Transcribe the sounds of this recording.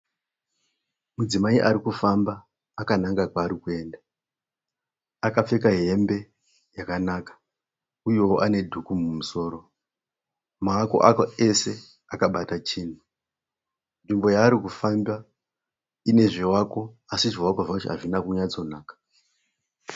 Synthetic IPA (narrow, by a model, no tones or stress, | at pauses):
mud͡zimaiʔaɾikufambaː | kanaŋɡakwaːɾikue̞ːnda | akap͡fe̞kaɦe̞mbe̞ | jakanakḁ | ujo̞woʔane̞dʱukumumuso̞ːɾo̞ | maːko̞̰ʔakoe̞se̞ | akaɓatat͡ʃiːn̤u | nʐimbo̞jaːɾikufamba | ine̞ʐewako̞asiʐewakoʐakutia̰ʐinakuɲat͡so̞naːkḁ